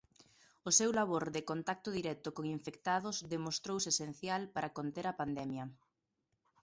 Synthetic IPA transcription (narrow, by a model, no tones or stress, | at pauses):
ʊsewlaβ̞oɾðɪkont̪ak̚t̪ʊðiɾɛt̪okoŋiɱfekt̪aðʊzðemost̪ɾowsesen̟θjalpaɾakont̪eɾɐpand̪ɛmjɐ